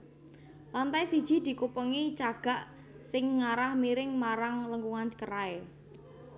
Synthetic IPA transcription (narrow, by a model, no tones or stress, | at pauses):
lant̪ajsid̥ʒ̥i̤d̪̥i̤kupəŋit͡ʃaɡ̥a̤ʔ | sɪŋːaɾahmiɾɪŋmaɾaŋləŋɡuŋankəɾae